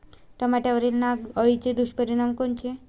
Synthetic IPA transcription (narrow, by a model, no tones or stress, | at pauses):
ʈəmaʈjaʋəɾilnaɡəɭit͡ɕed̪uʃpəɾiɽ̃amkont͡ɕʰe